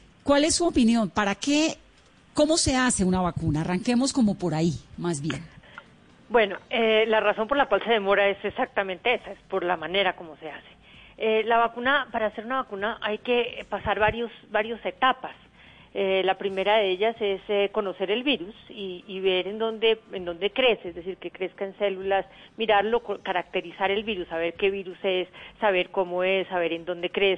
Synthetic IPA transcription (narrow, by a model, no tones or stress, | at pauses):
kwale̞sːuopinjo̞npaɾake̞ | ko̞mo̞se̞ase̞unaβakunaːraŋke̞mosko̞mo̞po̞ɾaimazβje̞̰n | bwe̞no̞elaraso̞mpoɾlakwalse̞ðe̞mo̞ɾae̞sesak̚t̪amẽnt̪e̞esaespo̞ɾlamane̞ɾako̞mo̞se̞ase̥elaβakunapaɾaːse̞ɾunaβakunaʔajke̞pasaɾβaɾjo̞sbaɾjose̞t̪apas | elapɾime̞ɾaðe̞eʎase̞seko̞no̞se̞ɾe̞lβiɾusiːβe̞ɾend̪o̞nd̪e̞end̪o̞nd̪e̞kɾe̞sezd̪e̞s̬iɾke̞kɾe̞skae̞nse̞lulasmiɾaɾlo̞kokaɾak̚t̪e̞ɾisaɾe̞lβiɾusaβe̞ɾke̞βiɾuse̞sːaβe̞ɾko̞moe̞sːaβe̞ɾend̪o̞nd̪e̞kɾes